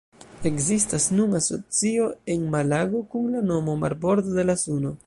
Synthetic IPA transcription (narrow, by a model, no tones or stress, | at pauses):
e̞kzistasnunaso̞̰t͡sio̞e̞nmalaɡo̞kunlano̞mo̞ma̰ɾbo̞ɾd̪od̪e̞lasuno̞